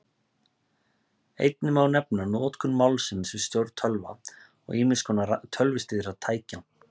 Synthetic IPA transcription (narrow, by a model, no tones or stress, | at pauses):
ḛjt̪̚nɪmawnɛpnanɔːt̪kʰʏnmawlsɪnsɛɪst̪jowɾt̪ʰœlva̰ | ɔ̰ɣɪːmɪskʰɔːnat̪ʰœlvɪst̪ɪːðɪɾaðt̪ʰaːjcan